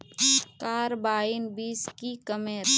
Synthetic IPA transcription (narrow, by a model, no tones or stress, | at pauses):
kaːɾbaːɪnbiːskikəmeːɾ